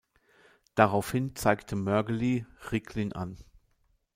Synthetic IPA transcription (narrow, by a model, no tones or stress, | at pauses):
d̥aʁaʊfhɪnt͡saɪktʰəmœɐɡəliʁɪkʰlɪnʔa̰n